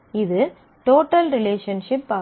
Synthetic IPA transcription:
ɪðɯ | ʈoːʈːɐlɾɪleːʂɐnʂɪpːaː

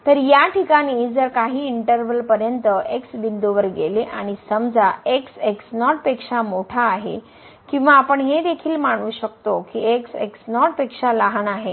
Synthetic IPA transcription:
t̪əɾjaʈʰikaɽ̃iːd͡zəɾkaɦiːiɳʈəɾʋəlpəɾjənt̪əʔeksbind̪oʋəɾɡeleʔaɽ̃isəmd͡zaekseksnɔʈpekʂamoʈʰaːɦḛ | kĩw̃ʋaːpəɳɦed̪ekʰiːlmaɽ̃uːɕəkt̪okiekseksnɔʈ̚pekʂalaɦənaɦe

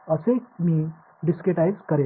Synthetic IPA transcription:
əsemiː | ɖiskɾeʈajzkəɾe

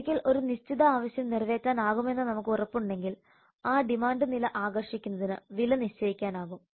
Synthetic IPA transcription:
kʲːilʔo̞ɾuniɕt͡ɕiðɐaːʋɐɕjɐmnirʋe̞ːtːaːnaːɣume̞nːɨnɐmukːɨurɐpːuɳɖe̞ŋɡil | aːɖimaːɳɖɨnilɐʔaːɣɐrʂikʲːunːɐðinɨʋilɐniɕt͡ɕɐjikʲːaːnaːɣum

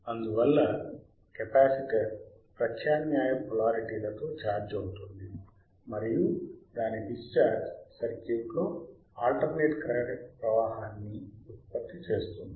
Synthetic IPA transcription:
ɐnd̪uʋɐlːɐ | kɐpaːsiʈɐ | pɾɐtʰjaːnjaːjɐpɔlaːɾiʈiːlɐt̪o̞ːt͡ʃaːɾd͡ʒɐwut̪und̪i | mɐɾijud̪aːnibist͡ʃaːɾd͡ʒsɐɾkeːklo̞ː | aːlʈɐɾneːʈkɾɐɾɐɽpɾɐʋaːɦaːnːiut̪̚pɐt̪ːit͡ʃe̞ːst̪und̪i

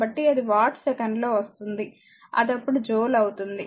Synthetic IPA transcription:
bɐʈːiɐd̪iʋaːʈsɛkɐɳɖlo̞ːʋɐst̪und̪i | ɐ̰d̪ɐpːuɽud͡ʒoːlɐwut̪und̪i

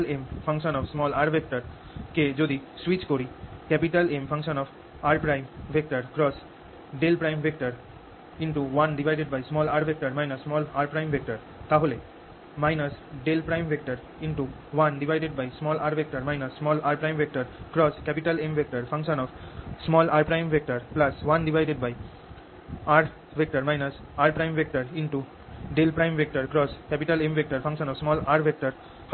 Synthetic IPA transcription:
lempfʰə̃ŋkʃənɔfsmɔlaɾbek̚ʈəɾ | ked͡ʒod̪iswit͡ʃkoɾikɛpiʈəlẽmfʰə̃ŋkʃənɔb | aɾpɾaɪ̃mʋʱek̚ʈəɾkɾɔs | ɖelpɾajmʋʱekʈəɾ | ĩɳʈuʋãnɖiʋʱajɖeɖ̚bajsmɔlaɾbʱek̚ʈəɾmajnəsmɔlaɾpɾajmʋʱek̚ʈəɾ | t̪aɦole | maɪnəsɖelpɾajmʋʱek̚ʈəɾ | ĩɳʈu | ʋɐ̃nɖiʋaɪɖeɖbaɪsmɔːlaːɾʋek̚ʈəɾmaɪnəsːmɔːlaːɾpɾãj̃mʋek̚ʈəɾkɾɔːskɛpiʈəlẽmʋek̚ʈəɾfʰɐ̃ŋkʃə̃nɔʋsmɔːlaɾpɾãɪ̃mʋek̚ʈəɾplɐsʋɐ̃nɖiʋaɪɖeɖ̚baɪ | aːɾ | ʋek̚ʈəɾmaɪnəs | aːɾpɾãɪ̃mʋek̚ʈəɾɪ̃ɳʈu | ɖelpɾãɪ̃mʋek̚ʈəɾkɾɔːskɛpiʈəlẽmʋek̚ʈəɾfʰɐ̃ŋkʃə̃nɔːʋsmɔːlaːɾʋek̚ʈəɾ

